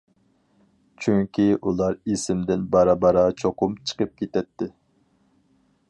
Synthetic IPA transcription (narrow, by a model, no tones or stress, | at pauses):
t͡ʃʰyŋkʲʰiʔulˠɑɾisɪmd̪ɪnbɑɾɑbɑɾɑt͡ʃʰoqʰʊmt͡ʃʰə̥qəp̚kʲʰet̪ɛt̪ʰːɪ